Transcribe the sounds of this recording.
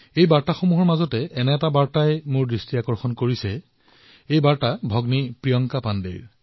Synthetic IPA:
ejbaɹtaxomuɦɔɹmazɔtɛʔɛnɛɛtabaɹtajmʊɹdɹistiakɔɹxɔnkoɹisɛ | ejbaɹtabʱɔɡnipɹijɔŋkapandḛɹ

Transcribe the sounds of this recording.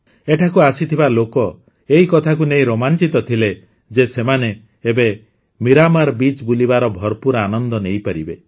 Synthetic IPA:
eʈʰakuasit̪ʰibalokɔ | eɦikɔt̪ʰak̬unej̃ɾomant͡ʃit̪ɔt̪ʰile | d͡ʒesemane | ebe | miɾamaɾbit͡ʃbulibaɾɔbʱɔɾpuɾanɔnd̪ɔnejpaɾibe

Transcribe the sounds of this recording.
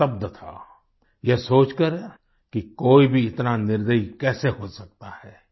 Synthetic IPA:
ɐb̚d̪t̪ʰa̰ | jesoːt͡ʃkəɾ | kikoːibʱiɪt̪nanɪɾd̪ʱəikɛːseɦosɐk̚t̪ahɛː

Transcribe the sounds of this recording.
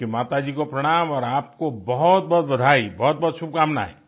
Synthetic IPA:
kimaːt̪ad͡ʒiːkopɾəɽ̃aːmɔːɾaːp̚kobɔɦɔt̪̚bɔːt̪̚bəd̪ʱaːibɔːɔt̪̚bɔːt̪sʊb̚ʱkaːmna̰ːɦḛ

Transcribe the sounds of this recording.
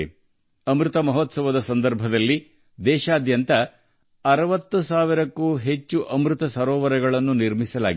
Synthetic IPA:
ɐmɾut̪ɐmɐɦɔt̪sɐʋɐd̪ɐsɐnd̪ɐɾbʱɐd̪ɐlːi | d̪ɛːʃaːd̪jɐnt̪ɐ | ɐɾɐʋɐt̪ːusaːʋiɾɐkːuːɦe̞t͡ʃːuʔɐmɾut̪ɐsɐɾɔːʋɐɾɛɡɐɭɐnːuniɾmisɐla̰ːɡ

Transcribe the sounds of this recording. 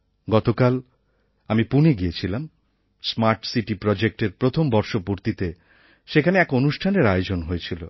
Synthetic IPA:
ɡɔt̪okal | amipuniɡiet͡ɕʰilam | smaɾʈsiʈipɾɔd͡ʑek̚ʈeɾpɾot̪ʰombɔɾʃopoɾt̪it̪e | ʃekʰaneɛkonuʃʈʰaneɾajod͡ʑonɦoet͡ɕʰilo̰

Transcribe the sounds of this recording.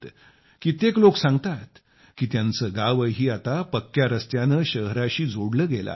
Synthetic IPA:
kit̪ekloksãŋɡt̪at̪ | kiːt̪jãnt͡səːɡaʋəɦiːat̪apəkːjaɾəst̪janəːɕəɦɾaɕiːd͡zoɽləːɡela̰

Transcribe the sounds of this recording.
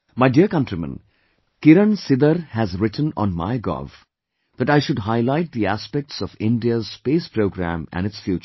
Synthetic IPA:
maɪɖiəɾkʌ̃nʈɾimə̰̃n | kɪɾə̃nsɪd̪əɾhæzɾɪʈʰə̃nɔ̰̃nma̰ɪɡɔ̰v | d̪æʈaɪʃʊɖɦaɪlaɪʈ̚d̪iæspɛk̚ʈsɔfɪ̃nɖiəzspeːspɾoːɡɾæ̰̃mæ̰̃nɪtsfjuːt͡ʃ

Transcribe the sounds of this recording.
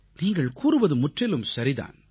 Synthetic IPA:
niːŋɡɐɭkuːɾɯʋɐðɯmʊʈrɪlɯmsɐɾɪða̰ːn

